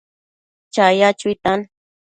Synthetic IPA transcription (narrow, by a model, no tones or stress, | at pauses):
t͡ʃajat͡ʃut̪an